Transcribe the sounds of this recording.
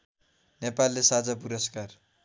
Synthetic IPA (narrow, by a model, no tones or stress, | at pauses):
nepalːesad͡zap̬uɾʌskar